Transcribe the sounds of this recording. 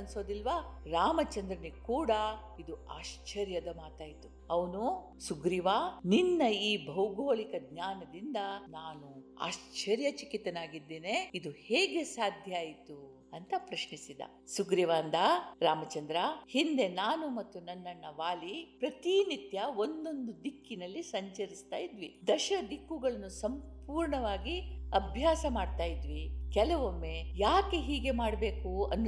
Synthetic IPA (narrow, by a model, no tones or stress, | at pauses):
ɐnso̞ːd̪ilʋaːɾaːmɐt͡ʃɐnd̪ɾɐnikuːɽɐ | id̪ua̰ːʃt͡ʃɐɾjɐd̪ɐmaːt̪aːjit̪u | ɐʋɐnu | suɡɾiʋaːninːɐiːbʱɐwɡoːɭikɐɡɲaːnɐd̪ind̪ɐnaːnu | a̰ːʃt͡ʃɐɾjɐt͡ʃikit̪ːɐnaːɡid̪ːeːneid̪uheːɡe̞saːd̪ʱjɐaːjit̪u | ɐnt̪ɐpɾɐʃɳisid̪ɐ̰ | suɡɾjɐʋaːnd̪ɐɾaːmɐt͡ʃɐnd̪ɾɐhind̪e̞naːnumɐt̪ːunɐnːɐnːɐʋaːlipɾɐt̪init̪jɐo̞nd̪o̞nd̪ud̪ikːinɐlːisɐɲt͡ʃɐɾist̪aːjid̪ʋid̪ɐʃɐd̪ikːuɡɐɭɐnːusɐmpuːɾɳɐʋaːɡiɐbʱjaːsɐmaːɖt̪aːjid̪ʋikɛlɐʋomːejaːkeɦiːɡe̞maːɽbe̞ːkuɐnː